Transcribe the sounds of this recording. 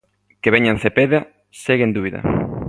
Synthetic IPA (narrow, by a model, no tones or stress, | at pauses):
keβeɲan̟θepeða | seɣẽnd̪uβiðɐ̰